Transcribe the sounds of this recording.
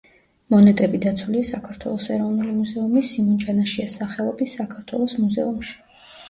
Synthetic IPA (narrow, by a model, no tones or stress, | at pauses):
mɔnɛt̪ʼɛbid̪at̪sʰwuliasakʰaɾt̪ʰwɛ̰lˠɔsɛɾɔvnulimuzɛumisimɔnt͡ʃʼanaʃiasaχɛlˠɔbisːakʰaɾt̪ʰwɛlˠɔsmuzɛ̰umʃi̥